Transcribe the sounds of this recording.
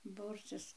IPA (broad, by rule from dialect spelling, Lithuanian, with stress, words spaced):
ˈbuːrʲt͡sʲɪs